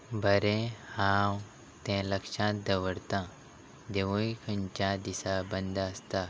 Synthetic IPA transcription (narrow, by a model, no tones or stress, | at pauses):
bʱɐɾẽhãːw | t̪ɛ̃lɐkʃãd̪ɐʋəɽt̪ã | d̪eʋoikʰəɲt͡ʃãd̪isabɐ̃nd̪aːst̪a